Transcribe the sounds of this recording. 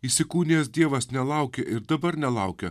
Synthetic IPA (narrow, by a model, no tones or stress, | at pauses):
isʲɪkuːnʲeːsd̪ʲiɛʋɐsnʲɛlˠɐʊkʲeʔɪɾd̪ɐbɐɾnʲɛlˠɐʊkʲɛ